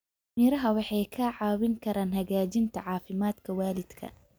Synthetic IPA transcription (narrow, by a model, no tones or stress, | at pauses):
miːɾɐɦɐwɑħɑjkʰɐʕɑːwɪŋkʰɐɾaːnɦɐɣaːd͡ʒɪnt̪ʰɐʕɑːfɪmaːd̪kʰɐwaːlɪd̪̥kʰɐ̰